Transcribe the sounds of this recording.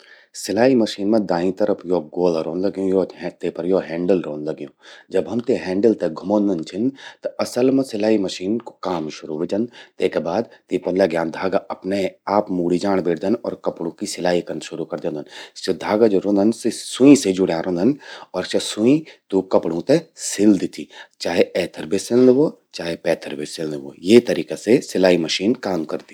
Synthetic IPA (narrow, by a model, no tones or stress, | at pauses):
sɪlaːimɐʃiːnmẽd̪aːĩt̪ɐɾəpʰjoːɡoːlɾõːnlɐɡjõjoːt̪eːpɐɾjoːɦɛ̃ːɳɖəlɾoːnlɐɡjõːd͡ʒɐbɦɐmt̪eɦɛ̃ːɳɖəlt̪eɡʱʊmoːnd̪ɐnt͡ʃʰɪnt̪ɐɐsəlmẽsɪlaːimɐʃiːnko̥kaːmʃʊɾuʋet͡ʃɐnt̪eːkebaːd̪t̪eːpɐnlɐɡjãːnd̪ʱaːɡaʔɐpneaːpmuːɽid͡ʒaːɽ̃beːʈd̪ɐnɔ̰ːɾkɐpɽũkisɪlaːikɐnʃʊɾukɐɾd̪õnd̪ɐnt͡ʃɐd̪ʱaːɡad͡ʒoɾõːnd̪ɐnsesũĩsed͡ʒʊɽjaːɾʔõːnd̪ʱɐnɔːɾt͡ʃɐsũĩt̪uːkɐpɽũt̪esɪld̪it̪ʰiːt͡ʃaːɦeɛːt̪ʰəɾbʱesɪld̪ʋoː | t͡ʃaːɦepɛːt̪ʰəɾbʱisɪld̪ʋo̰ːjet̪ɐɾiːkasesɪlaːimɐʃiːnkaːmkɐɾd̪i